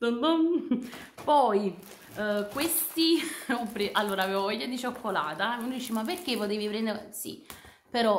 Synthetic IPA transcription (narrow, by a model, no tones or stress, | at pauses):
t̪ond̪om | pɔj | kwest̪iupːɾeʔalːoːɾaːveːvvoɔʎːad̪it͡ʃokʰːolaːt̪aunːd̪iːt͡ʃimaperk̟epot̪̬eːvipɾɛnd̪eɾsḭ | peɾɔ